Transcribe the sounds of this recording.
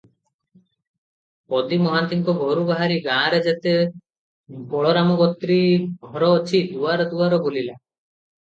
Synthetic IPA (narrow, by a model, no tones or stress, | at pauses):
pɔd̪imɔɦant̪iŋkɔɡʱɔɾubaɦaɾiɡãɾed͡ʒat̪e | bɔɭɔɾamɔɡɔt̪ɾiɡʱɔɾɔːt͡ʃʰid̪uaɾɔd̪uaɾɔbolila